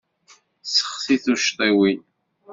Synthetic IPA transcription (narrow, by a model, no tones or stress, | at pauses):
sə̥χsiθuʃt̪ˤiwi